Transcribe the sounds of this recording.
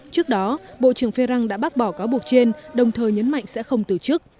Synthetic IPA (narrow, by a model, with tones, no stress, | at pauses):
t͡ɕɨ˦˥ək̚ɗɔ˨˦ɓo̰˧˨t͡ɕɨ˧˩əŋfe˧ɾa˧ŋɗa̰ː˧˥ɓa˦˥t̚ɓɔ˧˩kaː˨˦wɓu˨˩ək̚t͡ɕe˧nɗə˨˩wŋ͡mt̪ʰəː˨˩jɲə˨˦nma̰˧˨jŋsɛ̰˧˥xə˧wŋ͡mt̪ɨ˨˩t͡ɕɨ˦˥k̚